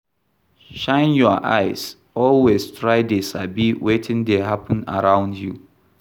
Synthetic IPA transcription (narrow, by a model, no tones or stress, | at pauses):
ʃãɪ̃njɔʔa̰ɪs | ɔlwestʰɹaɪdesabiwetʰɪ̃ndeɦapʰə̃nə̰ɹãʊ̃ndjṵ